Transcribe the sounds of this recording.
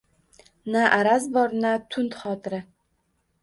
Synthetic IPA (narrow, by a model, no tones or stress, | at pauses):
naʔaɾazbɒɾnat̪ʰʊnt̪χɒːt̪ʰɪɾɪ